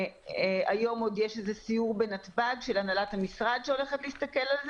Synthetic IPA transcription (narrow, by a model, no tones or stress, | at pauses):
ajo̞mo̞djeʃezesijuʁbe̞natbaɡʃe̞lanalathamisʁad̪ʃeo̞le̞χetliist̪ɐke̞lalz